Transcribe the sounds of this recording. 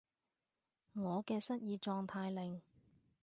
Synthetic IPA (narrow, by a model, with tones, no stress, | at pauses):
ŋɔː˨˧kɛː˧sɐ˥t̚jiː˨˧t͡ʃɔː˧ŋt̪ʰaː˧jlɪ˨ŋ